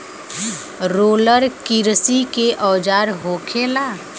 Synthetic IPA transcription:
ɾoːləɾkɪɾsikeʔɔːd͡ʒaːɾɦoːkʰeːlaː

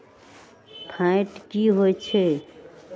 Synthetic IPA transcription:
pʰãɪʈkiɦojt͡ʃʰe

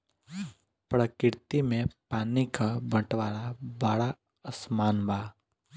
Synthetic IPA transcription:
pɾəkɪɾt̪imẽpaːnikabə̃ʈʋaːɾabaːɽa | əsmaːnbaː

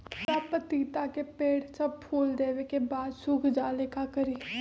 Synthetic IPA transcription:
paːpət̪iːt̪akepeːɽsəb̚pʰuːld̪eːʋekebaːd̪sʊkʰd͡ʒaːlekakəɾiː

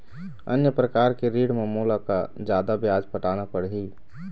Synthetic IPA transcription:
ə̰njəpɾəkaːɾkeɾiːɽmemuːlakad͡ʒjaːd̪abjaːd͡ʒpəʈaːnapəɽɦi

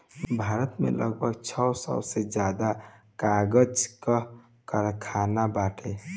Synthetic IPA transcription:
bʱaːɾət̪mḛləɡ̚bʱəɡt͡ʃʰəwsɔ̰wsed͡ʒad̪akaɡəd͡ʒkə | kəɾkʰanabaʈʰe

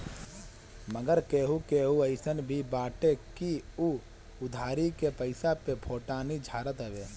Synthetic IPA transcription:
məɡəɾkeːɦukeːɦuəɪsənbʱibaːʈekiu | ʊd̪ʱaːɾikepəɪsapepʰoːʈaːnid͡ʒʱaːɾət̪ɦɛʋeː

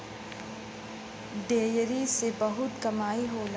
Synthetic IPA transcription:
ɖeːjɾisebɐɦʊt̪kɐmaːiɦoːl

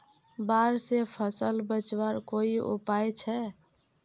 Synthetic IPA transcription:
baɾsepʰəsəlbət͡ʃwaɾkoiṵpajt͡ʃʰɛ

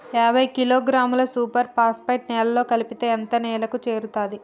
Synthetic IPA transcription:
ɛːbʱɐjkiloːɡɾaːmulɐsuːpɐɾpaːspɐjʈnɛːlɐlo̞ːkɐlipit̪e̞ːɐnt̪ɐnɛːlɐkut͡ʃe̞ːɾut̪aːd̪i

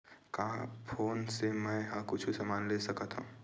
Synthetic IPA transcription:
kapʰoːnsemɛ̃ɦãkʊt͡ʃʰusɐmaːnlesɐkət̪ɦṵ̃

